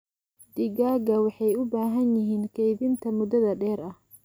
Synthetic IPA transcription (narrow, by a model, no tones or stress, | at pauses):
d̪̥ɪɡaːɡɐwɑħɑjʊbaːɦɐnjɪɦiːnkʰɛjβɪnt̪ʰɐmʊd̪ɐðɐɖɛːɾɐh